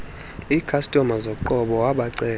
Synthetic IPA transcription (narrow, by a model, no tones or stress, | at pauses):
ikʰastʼɔmazokǃɔɓɔwaɓaǀɛː